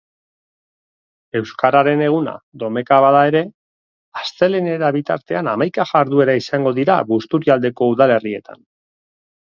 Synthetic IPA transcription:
e̞wskaɾaɾe̞ne̞ɣ̞una̰ðo̞me̞kaβaðae̞ɾe̞ | ast͡se̞lene̞ɾaβit̪a̰ɾt̪e̞anamajkaʝaɾðue̞ɾaisaŋɡo̞ðiɾa̰βust̪uɾiald̪e̞ko̞uðale̞rie̞t̪ʰa̰n

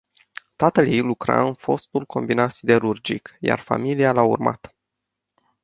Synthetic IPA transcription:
t̪at̪əljejlukɾa̰ɨnfo̞st̪ulko̞mbinat̪sid̪e̞ɾurd͡ʒikja̰rfa̰milialaṵrma̰t̪

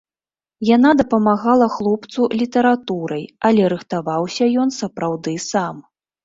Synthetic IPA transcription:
janad̪ɐpɐmaɣalˠɐxlˠɔpt̪sulʲit̪ɐɾat̪uɾɐjɐlʲɛɾɨxt̪avawsʲɐjɔn̪sɐpɾawd̪ɨsam

